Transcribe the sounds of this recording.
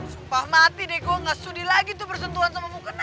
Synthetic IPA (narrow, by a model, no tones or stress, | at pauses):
supahmat̪idekuaŋasudilaɡit̪upərsənt̪uɦansamamukan